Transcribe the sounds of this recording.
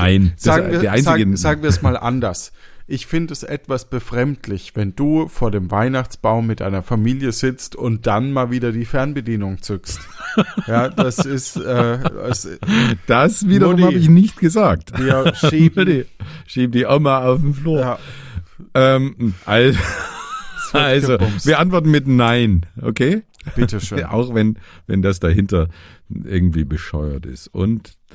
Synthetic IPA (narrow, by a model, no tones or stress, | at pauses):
aɪnz̥aːɡŋiːɐaɪnzaːz̥aːɡŋ̩viːɐsmaːlʔa̰ndɐs | ʔɪçfɪndəɛsʔɛtv̥asb̥əfʁ̥ɛmtʰlɪçv̥ɛnd̥uːfoːɐdeːmvaɪnaχt͡sb̥aʊmːɪt̚ʔa̰ɪnɐfamiːljəzɪt͡stʊnt̚d̥anmaːlviːdɐdiːfɛɐnbədiːnʊŋt͡sʏkst | jaːd̥asɪstʔɛːɛsd̥asviːdɐʁʊmhabəɪçnɪçtɡ̥əzaːk̚tː | diʃiːbdiːʔɔmaaʊfm̩fluː | ʔɛːm̩ʔalz | alzov̥iːɐʔantv̥ɔɐtn̩mɪtnaɪnʔo̰kʰeːb̥ɪtəʃøʔa̰ʊxvɛnvɛ̰ndas̬d̥aɦɪntɐʔɪ̰ɐɡŋ̩tv̥iːbəʃɔʏɐ̰tɪ̰stʔʊ̰nt